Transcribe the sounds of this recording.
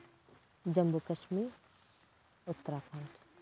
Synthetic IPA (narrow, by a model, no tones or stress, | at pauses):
d͡ʒɐmbukɐʃmiːɾ | ʊt̪ːəɾaːpʰant